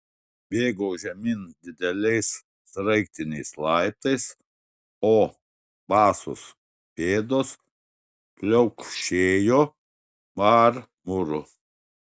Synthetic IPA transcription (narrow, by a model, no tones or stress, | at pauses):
bʲeːɡoːʒʲɛmʲɪnd̪ʲɪd̪ʲɛlʲɛɪs | sɾɐɪkt̪ʲɪnʲɛɪslˠɑɪt̪ɐɪs | oː | bɑːsʊ̰s | pʲeːd̪oːs | pʲlʲɛʊkʃʲeːjoː | mɑːɾ | mʊɾʊ